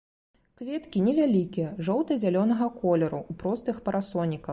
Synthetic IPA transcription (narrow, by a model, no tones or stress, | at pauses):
kvʲɛt̪kʲinʲɛvʲalʲikʲɛjɛʐɔwt̪ɨzʲalʲɔnɐɣɐkɔlʲɛɾuupɾɔst̪ɨxpɐɾasɔnʲːikɐx